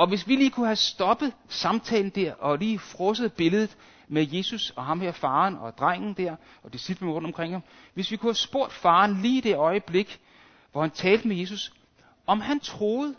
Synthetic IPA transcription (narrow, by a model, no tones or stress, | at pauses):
ɒ̽ʋe̝sʋiliːkʰuhæsd̥ɒ̽b̥ðˠsɑ̈mt͡sʰɛ̰ːln̩d̥æɐ̰ʔɒ̽liːfʁɔ̽səð̩ˠb̥e̝ləð̞̩ˠð̩ˠ | meje̝susɒ̽ɦɑ̈mhæɐfɑ̈ːnɒ̽d̥ʁaŋ̰n̩d̥æɐ̰ | ɒ̽d̥isib̥lən̩ʁɔ̰̽d̥ɒ̽mkʰʁeŋ̰hɑ̈m | ʋe̝sʋikʰuhæsb̥o̝ɐ̰d̥fɑ̈ːnliːid̥e̝ɒ̽ɪəb̥le̝ɡ̥ | ʋɒhænt͡sʰɛːld̥əmeje̝s̬us | ʔɒ̽mhænt͡sʰʁo̝ːð̩ˠ